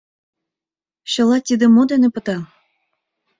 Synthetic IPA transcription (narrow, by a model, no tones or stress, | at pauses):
ɕɤ̆lɑt̪ʲid̪ĕmod̪enepɤ̆t̪ɑ